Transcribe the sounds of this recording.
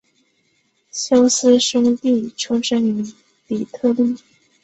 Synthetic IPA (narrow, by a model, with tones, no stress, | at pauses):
ɕjɑ˥ʊsɹ̩˥ʂɤ˥ŋt̪i˥˩ʈ͡ʂʰʊ˥ŋʂə˥ŋy˧˥ | li˨˩t̪ʰɤ˥˧li˥˩